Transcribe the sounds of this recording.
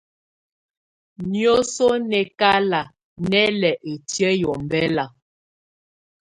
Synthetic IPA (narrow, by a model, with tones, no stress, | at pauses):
njo˦so˦nɛ˨ka˦la˨ | nɛ˦lɛ˨ʔe˨tjɛ˦jɔ˨m˨bɛ˦la˨